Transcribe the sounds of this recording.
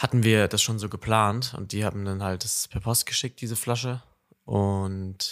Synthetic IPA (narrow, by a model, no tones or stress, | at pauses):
hatn̩viːɐd̥asʃoːnzoːɡəpʰl̥aːntʊ̰nt̚d̥iːha̰ːbm̩danhalt̚d̥aspʰɛɐpʰɔst̚ɡ̥əʃɪk̚t̚d̥iːzəflaʃ̬ə | ʔʊnt